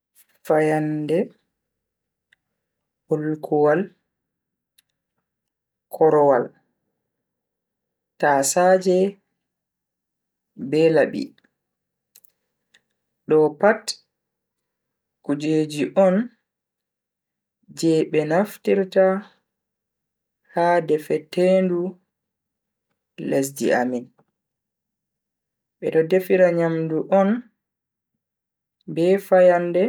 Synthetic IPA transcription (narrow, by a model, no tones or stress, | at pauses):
fajandɛ | hulkʰuwal | kʰɔɾɔwal | taːsaːd͡ʒɛ | bɛlaɓḭ | ɗɔpat | kud͡ʒeːd͡ʒiʔɔn | d͡ʒɛɓɛnaftiɾta | hadɛfɛteːndu | les̬dḭa̰min | ɓɛ̰ɗɔdefiɾaɲamduʔɔn | bɛfajandɛ